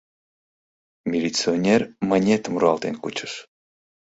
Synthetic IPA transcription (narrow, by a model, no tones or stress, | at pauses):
mʲilʲit̪sɨonʲermanʲet̪muɾɑlˠt̪enkut͡ɕɨ̥ʃ